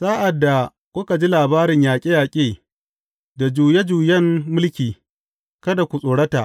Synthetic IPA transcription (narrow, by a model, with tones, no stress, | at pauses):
saː˦ʔa˨dːa˨ | kʷʊ˦ka˨d͡ʒi˦laː˨baː˦ɾɪ˨ɲjaː˨kʲʼɪ˦jaː˨kʲʼeː˦˨ | da˨d͡ʒuː˨je˦d͡ʒuː˨jɐ˦mːʊ˦lkʲiː˨ | kɐ˦da˨kʷu˨sʼoː˨ɽɐ˦ta̰˨ʔ